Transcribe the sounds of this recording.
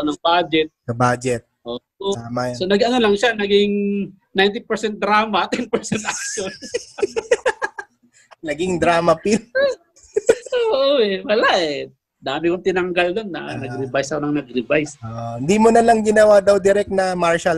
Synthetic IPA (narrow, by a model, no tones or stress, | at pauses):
onɐŋbaːd͡ʒɛt̪̚sɐbaːd͡ʒɛt̪̚ʔoʔoamasonɐɡɐnolɐŋʃanɐɡɪŋ | najnt̪ɪpɛɹsɛnt̪̚d̪ɾaːmɐt̪ɛnpɛɹsɛnt̪̚ʔak̚ʃon | nɐɡɪŋd̪ɾaːmɐpɪl | oːʔoɛwɐlaʔɛ | d̪aːmɪkoŋt̪ɪnɐŋɡɐlːɐŋnɐnɐɡɾɪbajsɐkonɐŋnɐɡ̚ɾɪbajsoːʔoɪnd̪imonɐlɐŋɡɪnɐwaːd̪ɐwd̪ɪɾɛk̚t̪nɐmaɹʃal